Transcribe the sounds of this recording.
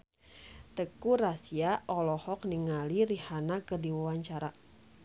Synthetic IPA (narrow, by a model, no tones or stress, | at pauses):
t̪əkurasiaʔɔlɔhɔk̚niŋaliɾihanakərdiwawaɲt͡ʃaɾa